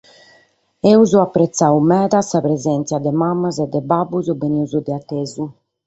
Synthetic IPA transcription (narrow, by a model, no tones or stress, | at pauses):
euzuapːɾɛt̪sːawmɛːðasapɾezɛnt̪sjad̪ɛmamːazɛd̪ːɛbabːuzubeniuzud̪ɛat̪ːezu